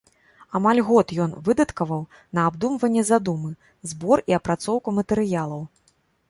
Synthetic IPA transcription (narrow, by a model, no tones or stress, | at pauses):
amalʲɣɔt̪jɔnvɨd̪ɐt̪kɐvɐw | nɐabd̪umvɐnʲːɛzad̪umɨ | zbɔɾiɐpɾat̪sɔwkumɐt̪ɛɾɨjalˠɐw